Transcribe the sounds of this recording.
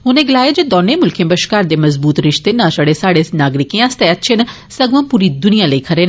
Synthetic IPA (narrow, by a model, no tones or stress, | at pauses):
ɦʊnẽːɡɪlaːeːd͡ʒoːd̪ɔːneːmʊlkʰẽːbəʃkaːɾd̪eːməzbuːt̪ɾɪʃt̪eːnãːʃaːɽeːsaːɽeːnaːɡɾɪkẽːãːst̪eːətːʃʰeːn | səɡʋãːpuːɾiːd̪ʊnijãːləikʰəɾeːn